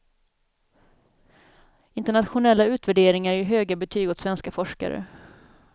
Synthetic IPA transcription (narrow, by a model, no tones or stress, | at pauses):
ɪnt̪əɳat̪ɧʊnɛlːaʉ̟ːt̪væɖeːɾɪŋaɾæjɦøːɡabɛt̪ʰyːɡɔt̪svɛnskafɔʂka̰ɾə̰